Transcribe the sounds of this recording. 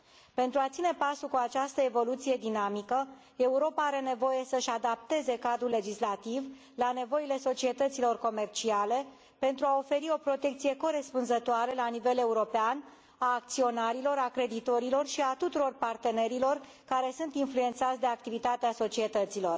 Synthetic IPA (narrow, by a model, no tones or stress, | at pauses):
pe̞nt̪ɾuat̪sine̞pasukuat͡ʃast̪əe̞vo̞lut̪sije̞d̪inamikə | e̞uɾo̞paaɾe̞ne̞vo̞je̞səʃad̪ap̚t̪e̞ze̞kad̪ɾulːe̞d͡ʒislat̪iv | lane̞vo̞ile̞so̞t͡ʃie̞t̪ət̪silo̞rko̞me̞rt͡ʃiale̞ | pe̞nt̪ɾuao̞fe̞ɾio̞pɾo̞t̪e̞k̚t̪sije̞ko̞ɾe̞spunzət̪oaɾelanive̞le̞uɾo̞pean | aːk̚t̪sio̞naɾilo̞ɾakɾe̞d̪it̪o̞ɾilo̞rʃiat̪ut̪uɾo̞rpart̪e̞ne̞ɾilo̞r | kaɾe̞sunt̪influe̞nt̪sat̪sʲd̪e̞ak̚t̪ivit̪at̪easo̞t͡ʃie̞t̪ət̪silo̞r